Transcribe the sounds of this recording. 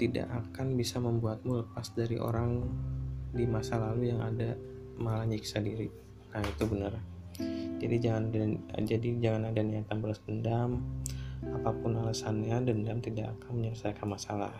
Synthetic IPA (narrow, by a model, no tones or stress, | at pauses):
t̪ida̰ʔakanbisaməmbuat̪̚muləpasdaɾḭʔo̰ɾaŋ | dimasalalujaŋʔada | malaɲiksadiɾi | nahit̪ubənər | d͡ʒadid͡ʒaŋanadad͡ʒadid͡ʒaŋanadaniat̪anbəlasdəndam | apapʊnalasanɲadəndamt̪idakakanməɲərsaakanmasala̰h